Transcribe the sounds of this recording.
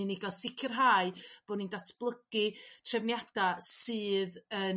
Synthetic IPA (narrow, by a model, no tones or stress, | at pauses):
inɪɡalˠsɪkʰərɦaːɨb̥oːnindatʰb̥lˠəɡ̥ɨtʰrɛvnjad̥asɨːðə